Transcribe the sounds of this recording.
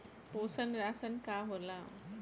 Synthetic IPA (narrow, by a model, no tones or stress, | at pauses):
posənɾasənkaɦola